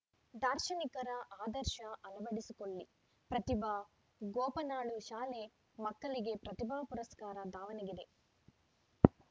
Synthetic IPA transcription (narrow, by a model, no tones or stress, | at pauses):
d̪aːɾʃɐnikɐɾɐʔaːd̪ɐɾʃɐʔɐnɐʋɐɽisikoɭːi | pɾɐt̪ibʱaː | ɡoːpɐnaːɭuʃaːle | mɐkːɐɭiɡe̞pɾɐt̪ibʱaːpuɾɐskaːɾɐd̪aːʋɐnɐɡid̪e̞